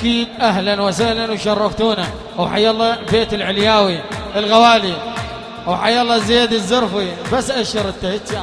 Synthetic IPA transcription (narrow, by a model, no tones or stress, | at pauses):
ʔakiːd̪ʔahlanwasahlanwʃɑrˤːɑft̪uːna | wħajːɑlˤːɑːbeːt̪ɪlʕɪljaːwiɪlɣawaːli | wħajalˤːɑzeːd̪ɪzːɑɾˤfibasːʔaʃɑɾˤɪt̪ːahɪt̪a